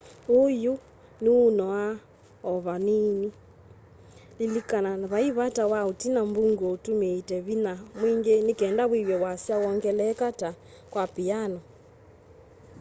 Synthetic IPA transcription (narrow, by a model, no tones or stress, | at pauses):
oju | niunɔa | ɔβanini | lilikananaβaiβatawautinambuŋɡotumeitɛβinamwiŋɡenikɛndawiwɛwasjawɔŋɡɛlɛkata | kwapianɔ